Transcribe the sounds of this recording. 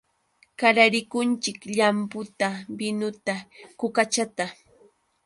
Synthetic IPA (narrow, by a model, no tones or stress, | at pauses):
kaɾaɾɪkʊnt͡ʃɪkʎampʊt̪abɪnʊt̪akʊkat͡ʃat̪a